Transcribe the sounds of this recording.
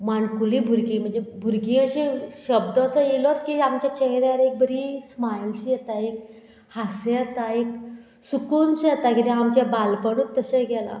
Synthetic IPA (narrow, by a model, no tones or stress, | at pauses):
maɳkulibʱuɾkĩːm̤əɳd͡zebʱuɾkĩːəɕĩɕəbd̪əəsəjelɔt̪kiamt͡ɕat͡ɕɛɦɾjaɾek̚bəɾismajlt͡ɕiːjɛt̪aek | haset̪aek̚ | sukunɕjɛt̪akit̪eamt͡ɕabalpəɽ̃uːt̪ːəsẽɡɛla̰